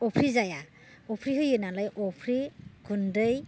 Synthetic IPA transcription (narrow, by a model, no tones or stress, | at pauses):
ɔpʰɾizaja | ɔpʰɾiɦɯjɯnalajʔɔpʰɾiɡundɯj